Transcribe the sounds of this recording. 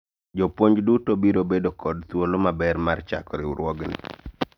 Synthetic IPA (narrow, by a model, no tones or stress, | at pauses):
d͡ʒopwoɲd͡ʒdutobiɾobedokɔdt̪wolomabɛɾmart͡ʃa̰kɔɾɪwɾwɔɡnɪ̰